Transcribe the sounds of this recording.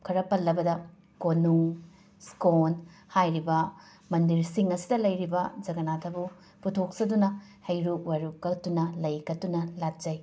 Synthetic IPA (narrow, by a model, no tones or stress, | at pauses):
kʰɐɾɐpɐlːɐbɐdɐ | konuŋ | skon | hajɾibɐ | mɐndiɾsiŋɐsidɐlɐjɾibɐd͡ʒɐɡɐnatʰɐbu | putʰok̚sɐdunɐhɐjɾuk̚waɾukːɐtunɐlɐjkɐtunɐlat̚d͡ʒ̥ɐj